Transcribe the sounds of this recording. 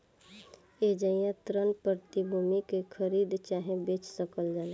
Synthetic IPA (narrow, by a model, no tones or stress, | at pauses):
ed͡ʒəɪjãt̪ɾənpəɾt̪ibʱuːmikekʰəɾiːd̪t͡ʃaːɦẽbeːt͡ʃsəkəld͡ʒaːle